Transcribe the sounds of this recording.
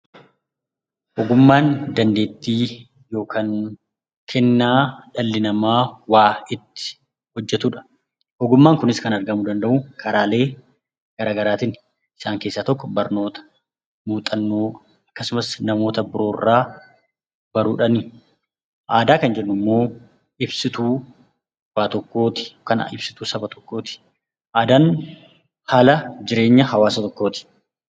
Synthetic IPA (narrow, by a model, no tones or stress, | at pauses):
ʔɔɡʊmːaːnd̪ɐnd̪e̞ːt̪ːiː | jo̞ːkʰaŋ | kʰɛnːaːᶑɐlːɪnɐmaːwaːɪt̪ːɪ̥ | hɔd͡ʒːɛt̪uᶑɐ̥ | ʔɔɡʊmːaːŋkʊnɪskɐnɐɾɡɐmʊd̪ɐnd̪ɐʔʊkʰɐɾaːle̞ː | ɡ̥ɐɾaːɡɐɾaːt̪in | ɪsaːŋke̞ːsːaːt̪ɔkːɔbɐɾno̞ːt̪ɐ̥ | muːt̪ʼɐnːoː | ɐkːɐsʊmɐsnɐmo̞ːt̪ɐbʊɾo̞ːrːaː | b̥ɐɾuːᶑɐni | ʔaːd̪aːkɐnd͡ʒɛnːʊmːo̞ː | ɪbsɪt̪uː | waːt̪ɔkːo̞ːt̪ɪ̥kɐnɐ̰ʔɪbsɪ̥t̪uːsɐbɐt̪ɔ̥kːo̞ːt̪ɪ̥ | ʔaːd̪aːn | haːlɐd͡ʒɪɾe̞ːɲːɐhɐwaːsɐt̪ɔkːo̞ːt̪ɪ̥